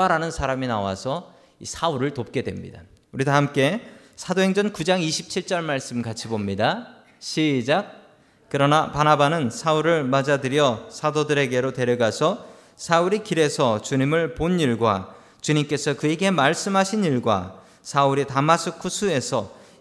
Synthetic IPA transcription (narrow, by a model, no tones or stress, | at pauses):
aɾanɯnsʰaɾaminawa̰sʰʌ | ḭsʰauɾɯɭtop̚k͈e̞dwe̞̰mɲḭda | uɾidahamk͈e̞ | sʰadoɦe̞ŋd͡ʑʌnkud͡ʑaŋiɕʰi̥p̚t͡ɕʰiɭt͡ɕ͈ʌɭmaɭs͈ɯmkat͡ɕʰibomɲida | ɕʰid͡ʑak̚ | kɯɾʌnapanabanɯnsʰauɾɯɭmad͡ʑadɯɾjʌsʰadodɯɾe̞ɡe̞ɾote̞ɾjʌɡasʰʌ | sʰauɾikiɾe̞sʰʌt͡ɕuɲimɯɭponiɭɡwa | t͡ɕuɲimk͈e̞sʰʌkɯeɡe̞maɭs͈ɯmɦaɕʰiniɭɡwa̰ | sʰauɾitamasʰɯkʰusʰue̞sʰʌ